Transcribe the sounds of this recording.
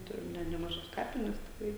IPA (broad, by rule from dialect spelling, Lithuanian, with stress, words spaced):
ˈtʊrʲɪm nʲɛ nʲɛmɐˈʒɐs ˈkɑːpʲɪnʲɛs tʲɪkˈrɐɪ